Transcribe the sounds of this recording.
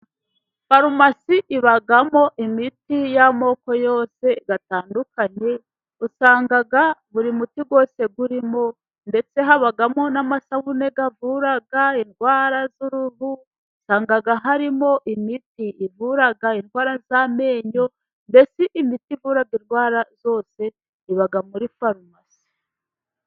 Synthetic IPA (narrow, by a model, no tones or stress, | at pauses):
faɾumasiʔiβaɡamo̞ʔimitijamo̞ko̞jo̞ːse̞ɡataːndukaɲe | usaːŋɡaɡaβuɾimutiɡwo̞ːse̞ɡuɾimo̞ | nde̞t͡se̞ɦaβaɡamo̞namasawune̞ɡavuːɾaɡainɡwaːɾazuɾuβu | saːŋɡaɡaɦaɾimo̞ʔimitiːvuɾaɡainɡwaːɾazaːme̞ːɲo̞ | nde̞t͡siʔimitivuːɾaɡinɡwaːɾazo̞ːse̞ | iβaɡamuɾifaɾmasi̥